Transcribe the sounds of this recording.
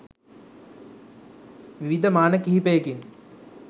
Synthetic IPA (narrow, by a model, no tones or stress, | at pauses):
ʋiʋid̪əmaːnəkiɦipəjəkin